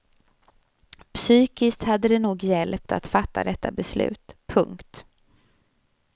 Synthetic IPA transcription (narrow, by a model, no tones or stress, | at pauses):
psyːkɪskt̪had̪ːəd̪ɛnuːɡjɛlp̚t̪ʰa̰t̪fat̪ːa̰d̪ɛt̪ːabɛslʉ̟̰ːt̪pʰɵŋkt̪